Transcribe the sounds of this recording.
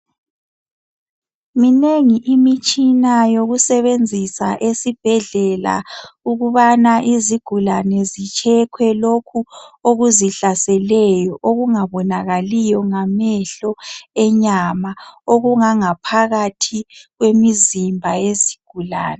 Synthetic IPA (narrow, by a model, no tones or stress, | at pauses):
mineŋiʔimit͡ʃʼinajoɣusɛβend͡zʱisa̰ʔesib̥ʱɛɮɛla̰uɣuβanaʔiziɡ̥ʱulanɛzit͡ʃʰʼɛkʰwɛlokʰuoɣuziɬasɛlɛjɔʔoɣuŋaβɔnaɣalijɔŋamɛɬɔɛɲamaoɣuŋaŋapʰaɣatʰiɣwemizimbʱajeziɡ̥ʱula̰ːnɛ